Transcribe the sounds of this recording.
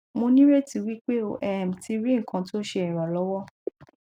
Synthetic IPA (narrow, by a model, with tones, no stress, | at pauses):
mo˧nĩ˦ɾe˦ti˧wi˦k͡pe˦o˦˨ʔɛ˨m̩˨ti˧ɾi˦ŋ̩˨kã˧to˦ʃe˧ĩ˨ɾ̃ɔ̃˨lɔ˨˦wɔ˦